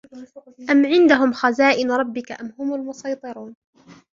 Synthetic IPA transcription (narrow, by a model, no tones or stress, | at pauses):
ʔamʕɪnd̪aɦʊmxazaːʔɪnɾˤɑbːɪkaʔamhʊmalmʊsɑjt̪ˤɨɾuːn